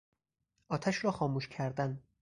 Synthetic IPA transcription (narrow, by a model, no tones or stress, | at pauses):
ʔɒːt̪ʰæʃɾɒːxɒːmuːʃcʰæɾd̪æn